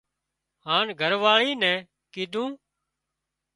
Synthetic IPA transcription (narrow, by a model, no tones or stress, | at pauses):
haːnɡʱəɾʋaːɭiːnɛ̃ː | kiːd̪ũː